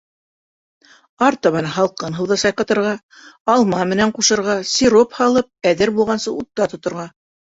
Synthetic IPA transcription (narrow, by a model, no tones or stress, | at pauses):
ɑɾt̪ɑβɑnɦɑlˠqɤnɦɤ̆wðɤsɑjqɑ̆t̪ɤ̆ɾʁɑ | ɑlˠmɑmɘ̆næɴquʃɤ̆ɾʁɑsiɾophɑlˠɤp̚æðɘɾbulˠʁɑnsɤut̪ːɑt̪ŏt̪ŏɾʁɑ